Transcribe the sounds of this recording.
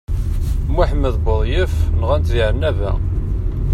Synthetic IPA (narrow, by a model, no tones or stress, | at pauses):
muħməðbəðˤjəfnəʁænt̪ziʕənːævæ̰